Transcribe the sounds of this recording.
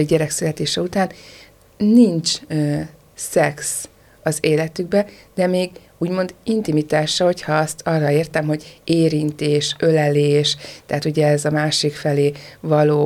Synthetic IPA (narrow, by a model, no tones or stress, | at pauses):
ɟɛɾɛksylɛt̪eːʃɛut̪aːnː | int͡ʃ | sɛks | ɒzeːlɛt̪yɡ̚bɛ | d̪̥ɛmeːɡ | uːɟmo̞nd̪int̪imit̪aːʃɒho̞chɒɒst̪ʰɒrːɒeːrt̪ɛmɦo̞ɟeːɾint̪eːʃølɛleːʃt̪ɛɦat̪uɟɛɛzɒmaːʃikfɛleːvɒloː